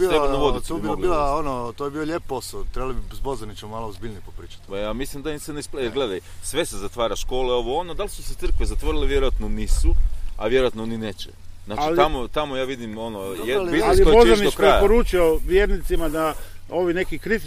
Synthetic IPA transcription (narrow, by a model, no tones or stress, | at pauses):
iɾebad̪abod̪oɡilaonot̪ojebiːoʎep̚pːosalt̪ɾebalˠibizbozanit͡ʃommaːloozbiʎnijpopɾiːt͡ʃḁt̪pajaːmislimd̪anseneisplejeɾɡle̞d̪ajsʋe̞sezat̪ʋaːɾaʃko̞ːleo̞ʋoonod̪alisu̥set̪sɨrkʋezat̪ʋoɾileʋjeɾoat̪noniːsuaʋjeɾoat̪nonineːt͡ʃḛ | znaːt͡ʃilt̪amot̪amojaːʋid̪imo̞nojepiliobozanid̪okɾeajapoɾuːt͡ʃioʋjeːɾnit̪simad̪a | o̞ʋine̞kikɾit̪i